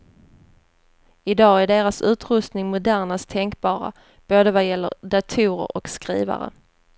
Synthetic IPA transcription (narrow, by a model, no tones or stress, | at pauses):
ɪd̪ɑːæɖeːɾasʉ̟ːt̪ɾɵst̪nɪŋmʊd̪æɳast̪ʰɛŋkbɑːɾa̰ | b̥oːd̪əvajɛlːə̰ɾɖ̪at̪ʰuːɾə̰ɾɔkskɾḭːva̰ɾə̰